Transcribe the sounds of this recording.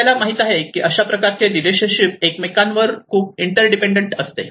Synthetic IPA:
alamaɦit̪aɦekiːʔəɕapɾəkaɾt͡ɕedileɕənɕip̚ekmekanʋəɾkʰuːp̚iɳʈəɾɖipeɳɖəɳʈəst̪ḛ

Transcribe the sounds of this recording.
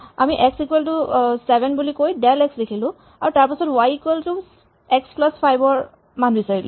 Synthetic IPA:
amiʔɛksikwɛltʊsɛbʱɛnbulikojdɛlɛksdekʰilʊ̃ | aɹutaɹpasɔtwajikwɛltʊ | ɛksplaspʰajbɔɹ | manbisaɹilʊ̰

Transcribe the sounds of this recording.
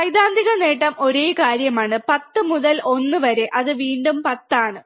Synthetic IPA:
sɐjd̪aːnd̪ʱiɣɐne̞ːʈːɐmʔo̞ɾeːkaːɾjɐmaːɳɨpɐt̪ːɨmuðɐlʔo̞nːɨʋɐɾe̞ʔɐðɨʋiːɳɖumpɐt̪ːaːɳɨ

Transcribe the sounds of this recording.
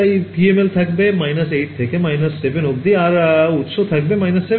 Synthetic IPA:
aipiemelt̪ʰɐkbemajnəseːʈ̚t̪ʰekemajnəsːeʋenɦok̚d̪iaɾut̪sot̪ʰɐk̚bemajnəsːe

